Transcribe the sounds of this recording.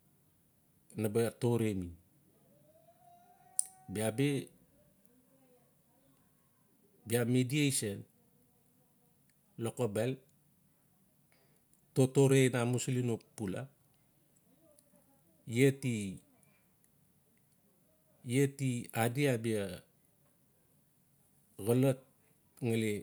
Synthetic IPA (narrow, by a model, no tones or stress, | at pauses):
nabeto̞ɾemi | biabe | biamediejsen | lokobel | totoɾejnamuslinopːula̰ | ieti | ijetiadiabia | ɣəlat̚ | ŋale